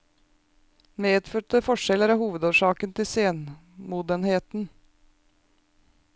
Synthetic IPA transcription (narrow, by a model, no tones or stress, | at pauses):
meːd̪føːʈəfɔʂɛləɾɑːhuːʋəd̪oːʂɑːkənt̪ʰɪseːn | muːd̪ənheːt̪n̩